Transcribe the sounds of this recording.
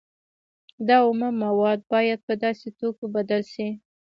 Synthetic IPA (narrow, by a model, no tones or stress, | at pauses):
d̪ɑʊməmawɑd̪̚bɑjad̪̚pəd̪ɑset̪okobad̪alʃi